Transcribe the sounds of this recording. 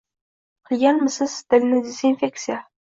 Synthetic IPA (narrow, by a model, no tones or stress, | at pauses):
qʰɨlˠɡʲanmɪsɪz̥t̪ɪlnɪd̪ezinfʲek̚t̪sija